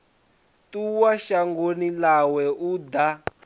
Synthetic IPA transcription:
tuwaʃaŋɡonilawɛud̪a

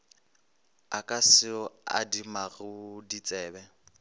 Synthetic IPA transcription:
akʼasɪɔa̰dimaɣɪdit͡sʼɛːbɛ

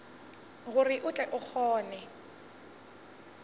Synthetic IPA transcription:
ɣuriʔʊt͡ɬʼɛʔʊk͡xɔːnɛ

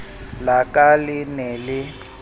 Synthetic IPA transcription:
lakʼalɪnɛlɪ

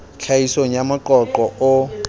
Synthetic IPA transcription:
t͡ɬʰaisoŋ̩jamʊǃɔǃɔʔʊ

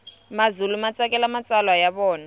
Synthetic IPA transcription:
mazulumat͡sʼakʼɛlamat͡sʼalwajaβɔːna

